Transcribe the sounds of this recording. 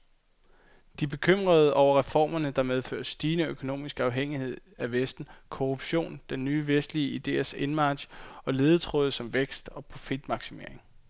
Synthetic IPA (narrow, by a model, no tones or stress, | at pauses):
d̥ib̥e̝kʰøm̰ʁɐð̞̩ˠɒʊɐʁɛfɒ̰ːmɐnəd̥ɑ̈með̞ˠfø̰ːɐsːd̥iːnəøkʰo̝no̝̰ːmisɡ̥ɑ̈ʊɦeŋ̰ihe̝ð̞ˠæʋesd̥n̩kʰoʁub̥ɕo̝̰ːnd̥enːyːʋesd̥liəid̥e̝̰ːɐse̝nmɑ̥̈ːɕɒ̽le̝ːð̞̩ˠət͡sʰʁɔð̩ˠsɒ̽mʋeɡ̥sd̥ɒ̽pʰofid̥mɑ̈ɡ̥sime̝ɐeŋ